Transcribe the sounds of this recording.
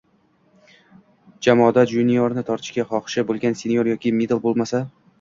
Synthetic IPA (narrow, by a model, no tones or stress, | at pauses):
d͡ʒamɒd̪ad͡ʒunijɒɾnɪt̪ʰɒɾt̪ʰɪ̥ʃkʲaχɒχʃabolˠɡʲansenjoɾjɒkʲʰɪmed̪alˠbolˠmasa